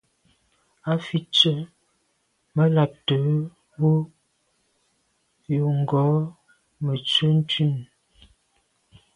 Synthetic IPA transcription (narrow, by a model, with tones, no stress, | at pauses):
a˦fi˦t͡ʃə˦ | mə˦la˨p̚tə˨˦ | wu˦ | jo˨ŋ̩˨ɡɔ˨˦ | mə˨t͡swə˦n̩˦tʉ˦˨n